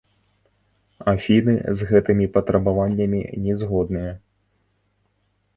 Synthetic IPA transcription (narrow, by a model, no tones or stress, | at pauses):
afʲinɨ̰zɣɛt̪ɨmʲipɐt̪ɾɐbavanʲːɐmʲḭnʲɛzɣɔd̪nɨjɐ